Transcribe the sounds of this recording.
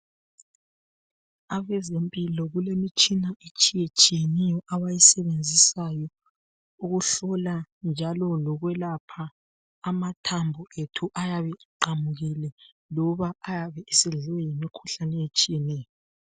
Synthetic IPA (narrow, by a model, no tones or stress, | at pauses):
aβɛzempʼilɔɣulemit͡ʃʼinaet͡ʃʼijet͡ʃʼijenɛjɔʔaβajisɛβend͡zʱisajɔ | uɣuɬɔland͡ʒʱalɔlɔɣwɛlapʰaː | matʰambʱuetʰuʔajaβɛʔiǃamuɣilɛ | lɔβaːjaβɛisiɮwɛjimikʰuɬanɛjet͡ʃʼijenɛːjɔ